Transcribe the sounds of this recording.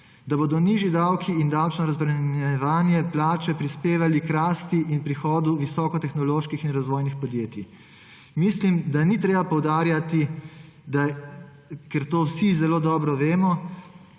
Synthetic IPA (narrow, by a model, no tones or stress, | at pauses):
d̪aboːd̪ɔniːʒid̪awkʰiind̪awt͡ʃnɔɾazbɾɛnɛʋaːnjɛplaːt͡ʃɛpɾispeːʋalikɾaːst̪iʔinpɾixɔːd̪uʋisɔːkɔt̪ɛxnɔloːʃkixinɾazʋoːjnixpɔd̪jeːt̪i | mislimd̪anit̪ɾeːbapɔwd̪aːɾjat̪i | d̪a | kɛɾt̪oːwsizɛloːd̪ɔːbɾɔʋeːmɔ